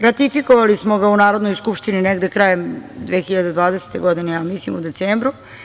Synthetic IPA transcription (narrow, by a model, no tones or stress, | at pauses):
ɾat̪ifikoʋalismoɡaunaːɾod̪no̞jskupʃt̪inineɡd̪ekɾaːjemd̪ʋeːxiʎad̪ed̪ʋaːd̪ese̥t̪eɡod̪inejaːmislimud̪e̞t̪seːmbɾu